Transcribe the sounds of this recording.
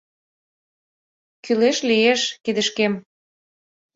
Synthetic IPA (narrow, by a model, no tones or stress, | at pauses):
kyleʃlieʃkid̪ə̆ʃkem